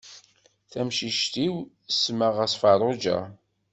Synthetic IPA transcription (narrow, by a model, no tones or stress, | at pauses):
θæmʃiʃt̪iw | sːməʁæsfɑrˤod͡ʒæ̰